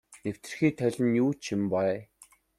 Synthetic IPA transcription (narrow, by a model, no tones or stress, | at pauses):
new̥t̪ɘ̆rxiːt̪ʰœɮʲɪ̆njuːt͡ɕʰimpaj